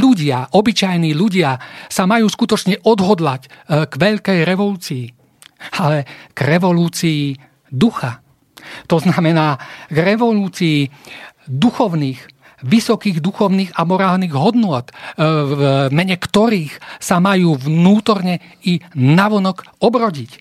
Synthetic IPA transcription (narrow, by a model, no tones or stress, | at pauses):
ʎuɟɪaʔɔbit͡ʃajniːʎuɟɪasamajuːskut̪ɔt͡ʃɲɛʔɔd̪ɦɔd̪lacɡʋɛʎkɛjɾɛʋɔluːt͡siː | alɛɡ̥ɾɛʋɔluːt͡siː | d̪uxa | t̪ɔznamɛnaːɡɾɛʋɔluːt͡siː | d̪uxɔʊniːx | ʋisɔkiːɣd̪uxɔʊniːɣamɔɾaːlniːɣɦɔd̪nʊɔt̪ | mɛɲɛkt̪ɔɾiːxsamajuːʋnuːt̪ɔɾɲɛinaʋɔnɔkɔbɾɔɟic